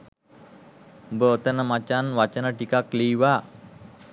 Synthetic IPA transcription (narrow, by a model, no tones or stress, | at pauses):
bət̪ənəmat͡ʃanʋat͡ʃənəʈikaklijwa